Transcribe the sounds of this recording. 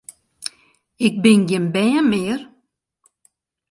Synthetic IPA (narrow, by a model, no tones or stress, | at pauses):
ɪk̚bɪnɡɪnbɛːəmɪːər